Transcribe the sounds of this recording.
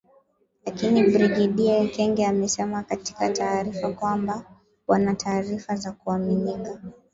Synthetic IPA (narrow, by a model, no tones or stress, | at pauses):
lakinibɾiɡiɗiakɛŋɡɛamɛsɛmakati̥kataːɾifakwamba | wanataːɾifazakuaminika